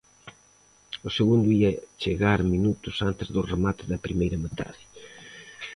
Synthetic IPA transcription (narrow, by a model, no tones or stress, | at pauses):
ʊseɣund̪ʊiɐt͡ʃeɣaɾminut̪ʊsant̪ezðʊremat̪eðɐpɾimejɾɐmet̪ʰa̰ði